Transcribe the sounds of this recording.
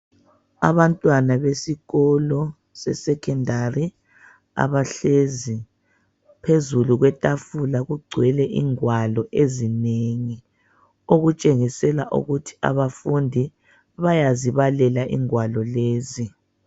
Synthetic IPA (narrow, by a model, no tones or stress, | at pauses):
a̰βantʼwanaβesiɣɔlɔ | sɛ̰sɛkʰɛndari | a̰βaɬezi | pʰezuluɣwɛtʼafulaɣuɡ͡ǀʱwɛlɛʔiŋwalɔʔezineŋi | oɣut͡ʃʼeŋisɛlaʔṵɣutʰi̥a̰βafundʱi | βajaziβalɛlaʔḭŋwalɔleːzi